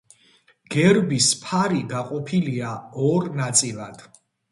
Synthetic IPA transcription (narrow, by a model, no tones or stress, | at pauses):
ɡ̥ɛɾbispʰaɾid̪aqʼɔpʰiliaɔɾnat̪sʼilˠad̪̥